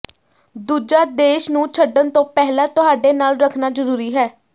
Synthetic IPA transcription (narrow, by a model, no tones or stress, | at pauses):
d̪uːd͡ʒaːd̪eːʃnũːt͡ʃʰəɖːənt̪õːpɛɦlãːt̪ʊɦaːɖeːnaːlɾəkʰnaːd͡ʒəɾuːɾiːɦɛː